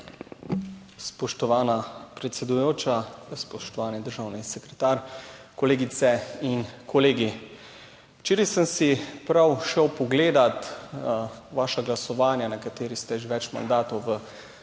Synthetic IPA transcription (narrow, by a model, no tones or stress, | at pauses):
spɔʃt̪ɔʋaːnapɾɛt̪sɛd̪ujoːt͡ʃaspɔʃt̪ɔʋaːnid̪əɾʒaːwnisɛkɾɛt̪aːɾkɔleːɡit̪sɛinkʰɔleːɡi | wt͡ʃeːɾisəmsipɾawʃɛwpɔɡleːd̪at̪ | ʋaːʃaɡlasɔʋaːnjanakat̪eːɾist̪ɛʒeʋɛt͡ʃma̰nd̪aːt̪ɔwʋə